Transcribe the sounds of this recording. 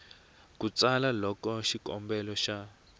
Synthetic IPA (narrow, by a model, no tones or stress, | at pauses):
kut͡sʼalalɔkɔʃikʼɔmbɛlɔʃa